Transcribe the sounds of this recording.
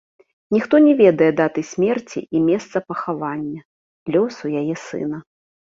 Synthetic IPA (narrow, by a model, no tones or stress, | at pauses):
nʲixt̪ɔnʲɛvʲɛd̪ɐjɛd̪at̪ɨsʲmʲɛrt͡sʲḭʔimʲɛst̪sɐpɐxavanʲːɐ | lʲɔsujajɛsɨ̰nɐ